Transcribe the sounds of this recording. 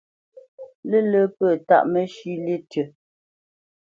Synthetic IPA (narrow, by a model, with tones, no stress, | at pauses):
lə˦lə˦pəː˦˨ta̰˦ʔmə˦ʃi˦le˦tɥə˨